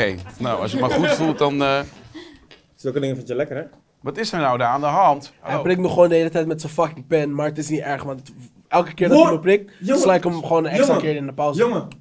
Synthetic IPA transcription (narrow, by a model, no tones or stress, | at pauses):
ennowɑ̰sjəmaχutfulˠtdɔn | sɵlˠkədɪŋəfɪnəlɛkərɛ | ʋɑtɪsəɹnawdaaːndəɦɑntɛjprɪk̚nɔχʋoːndəɦejlətɛjtmɛtsəfɑkɪŋpɛnmaːɹətɪsnitɛɹχʋɑntt | ʔɛlˠkə̥kɪːɹdbəprɪk̚slajkəmχʋoːnənɛksakɪːɾɪndəpawsə